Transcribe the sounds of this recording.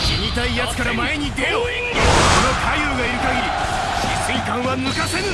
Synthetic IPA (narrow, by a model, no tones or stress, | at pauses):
iɲʲit̪aijat͡sɨ̥kaɾamae̞ɲ̟id̪ejo | konokʰajɯːɡaiɾɯ̟kaɡʲiɾʲi | sɨikãɰ̃βanɯkasẽn